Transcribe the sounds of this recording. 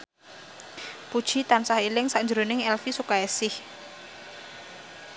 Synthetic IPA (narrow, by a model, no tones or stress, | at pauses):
pud̥ʒ̥i̤t̪ansahilɪŋsaɲd͡ʒɾunɪŋɛlfisukaɛsɪh